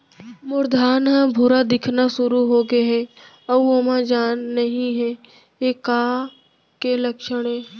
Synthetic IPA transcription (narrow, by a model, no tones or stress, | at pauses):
mʊɾd̪ʱaːnɦãbʱʊɾad̪ɪkʰnasʊɾuɦoːɡeɦɛː | ɐbomãd͡ʒaːnːɐɦĩɦɛː | jekaː | kelɐkʃəɽẽ